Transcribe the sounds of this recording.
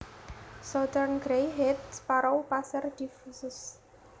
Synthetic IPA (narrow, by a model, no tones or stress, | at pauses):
sɔt̪ərnɡɾejɦɛt̪spaɾawpasərd̪̥ifusʊs